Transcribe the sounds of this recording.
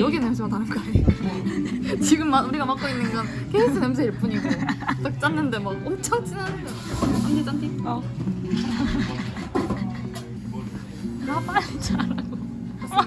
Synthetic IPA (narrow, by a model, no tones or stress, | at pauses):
jʌɡinems̬ʰeatʰanɯnkae | t͡ɕiɡɯmːauɾiɡamak͈oinːɯnɡʌn | keis͈ʰɯnems̬ʰeiɭp͈uɲiɡoʌt͈ʌk̚t͡ɕ͈anːɯnde̞mwʌʌmt͡ɕʰʌŋt͡ɕ͈inan | iɲet͡ɕ͈antik͈ʌ | kɯɾapaɾit͡ɕaɾaɡo